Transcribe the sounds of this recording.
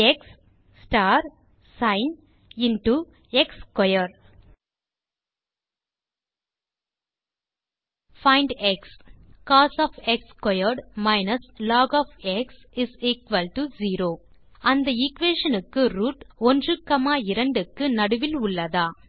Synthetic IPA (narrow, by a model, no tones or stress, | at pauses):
ɛksː | ʈaːɾ | sɐɪn | ɪnʈu | ɛkskɔjɐɾ | fɐɪ̃ɳɖɛkskaːsɔːfɛkskɔjɐɾɖmɐɪnɐslaːɡɔːfɛksɪsiːkʋɐlʈuziːɾoː | ɐnd̪ɐɪkʋeːʂɐnɯkːɯɾuːʈɔndrɯkːɐmaːɪɾɐɳɖɯkːɯnɐɽɯʋɪlʊɭːɐðaː